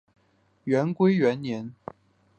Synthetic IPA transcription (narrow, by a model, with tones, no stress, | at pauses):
ɥɛ˧˥nkwe˥ɪɥɛ˧˥nnjɛ˧˥n